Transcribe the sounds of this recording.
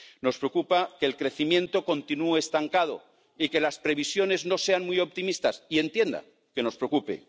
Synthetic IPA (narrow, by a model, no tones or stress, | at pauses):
no̞spɾeokupake̞ːlkɾe̞θimjẽ̞nt̪o̞ko̞nt̪inueeːst̪aŋkað̞o̞̰ | ike̞laspɾe̞β̞isjo̞ne̞zno̞se̞anmjo̞p̚t̪imist̪asie̞nt̪je̞nd̪a̰ | ke̞no̞spɾeokupḛ